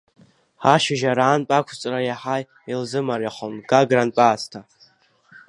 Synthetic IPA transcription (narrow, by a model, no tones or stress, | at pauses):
ħaʃɪʒaɾaːnpʼakʷʰt͡sʼrajaħaj | ilzɨmaɾjaχonɡaɡranpʼaːstʰa